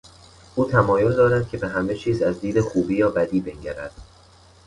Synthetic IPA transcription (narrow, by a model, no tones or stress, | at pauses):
ʔuːt̪ʰæmɒːjo̞ld̪ɒːɾæd̪̥̚cʰe̞be̞ɦæme̞t͡ʃʰiːzæzd̪iːd̪e̞xuːbiːjɒːbæd̪iːbe̞ŋɟæɾæ̰d̪̥